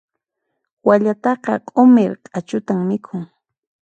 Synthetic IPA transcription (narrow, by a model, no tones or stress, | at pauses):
waʎat̪ɑqɑqʼomeɾqʼat͡ʃʊt̪aŋmɪkʰʊŋ